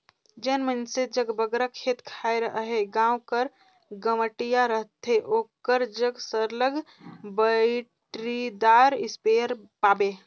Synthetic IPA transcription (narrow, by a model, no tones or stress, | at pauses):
d͡ʒənmənsed͡ʒəɡbəɡɾakʰet̪kʰajɾəɦəɦeɡãːwkəɾ | ɡəməʈijaɾəɦt̪ʰeʔokəɾd͡ʒəɡsəɾləɡ | bəɪʈɾid̪aːɾɪspeəɾpaːbe